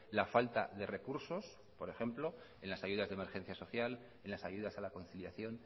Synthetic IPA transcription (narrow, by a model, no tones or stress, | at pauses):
lafalt̪a̰ðe̞re̞kuɾso̞s | po̞ɾe̞xe̞mplo̞ | e̞nlasaʝuðazðeme̞ɾxe̞n̟θjaso̞θjal | e̞nlasaʝuðasalako̞nθiljaθjo̞n